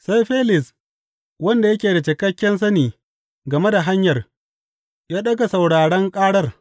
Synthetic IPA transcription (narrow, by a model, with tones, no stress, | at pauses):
sa˦jɸeː˦lɪ˨s | wɐ˦nda˨jɐ˦kʲeː˨da˨t͡ʃɪ˨kɐ˦kʲːɛ˦ns̬ɐ˦niː˨ | ɡɐ˨me˦da˨ɦa˦ɲjɐ˨r | jaː˦ɗɐ˦ɡa˨sa˨wɽaː˨ɽɐ˦ŋkʼaː˦ɽɐ˦r